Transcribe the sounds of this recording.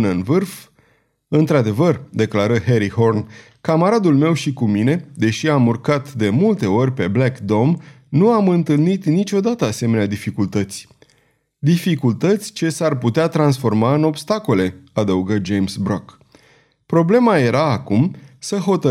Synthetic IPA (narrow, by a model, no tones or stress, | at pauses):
nənvɨrf | ɨnt̪ɾad̪e̞vərd̪e̞klaɾəɦe̞ɾiho̞rn | kamaɾad̪ulme̞wʃikumine̞d̪e̞ʃiamurkat̪d̪e̞mult̪e̞o̞rʲpe̞blakd̪o̞m | nuamɨnt̪ɨlnit̪nit͡ʃʲo̞d̪at̪əase̞me̞nead̪ifikult̪ət̪sʲ | d̪ifikult̪ət̪sʲt͡ʃe̞sarput̪eat̪ɾansfo̞rmaɨno̞bst̪ako̞le̞ad̪əuɡəd͡ʒe̞jmsbɾok | pɾo̞ble̞maje̞ɾaːkumsəɦo̞t̪ə